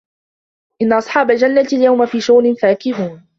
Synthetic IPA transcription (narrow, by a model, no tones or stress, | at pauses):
ʔɪnːaʔɑsˤħɑːbald͡ʒanːat̪aljawmafiːʃaɣnɪnfaːkɪɦuːn